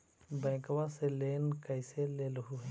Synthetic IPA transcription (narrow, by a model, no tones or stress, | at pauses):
bɛ̃ːkwaseleːnkəɪseleːlɦuɦ